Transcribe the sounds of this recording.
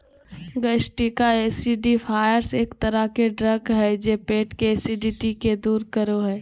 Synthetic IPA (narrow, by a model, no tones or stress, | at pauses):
ɡəʃʈikaeːsiɖifʰaːjəɾseːkt̪əɾəɦkeɖɾəɡɦɛd͡ʒeːpeːʈkeeːsiɖiːʈiked̪uːɾkəɾoɦɛː